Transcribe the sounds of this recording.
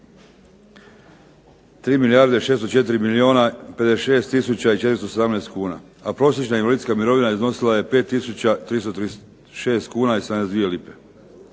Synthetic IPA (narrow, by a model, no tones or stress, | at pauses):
t̪ɾiːmilijaɾd̪eʃest̪ot͡ʃe̞t̪̬iɾimilioːnape̞d̪eʃe̞ːst̪ːisut͡ɕait͡ʃet̪ɾist̪ose̞d̪amneːst̪kuːna̰ | apɾo̞sjet͡ʃnainʋalid̪skamiɾo̞ʋinaizno̞silaje̞pe̞t̪ːisut͡ɕat̪ɾist̪ot̪ɾi | ʃeːst̪kuːnaised̪nezd̪ʋije̞lipe̞